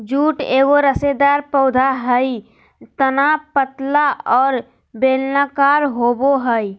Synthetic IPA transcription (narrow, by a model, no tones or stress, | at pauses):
d͡ʒuːʈeːɡoɾəsed̪aːɾpəʊd̪ʱaɦəi | t̪ənapət̪laʔɔːɾ | beːlnakaːɾɦoːboɦəi